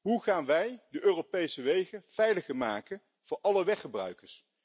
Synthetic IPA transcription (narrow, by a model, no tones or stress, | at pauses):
ɦuχaːnʋɛjdəʔøːrowpejsəʋejχənv̥ɛjləχəɹmaːkən | v̥ʊːɹʔɑləʋɛχəbrœ̰ɥkəɹs